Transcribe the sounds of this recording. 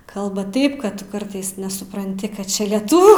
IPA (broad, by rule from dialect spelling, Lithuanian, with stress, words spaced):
ˈkɐlˠbɐ ˈtɐɪp ˈkɐt tʊˈkɐrtɐɪs nʲɛsʊprɐnʲˈtʲɪ ˈkɐt ˈt͡ʃʲɛ lʲiɛˈtʊʋʲuː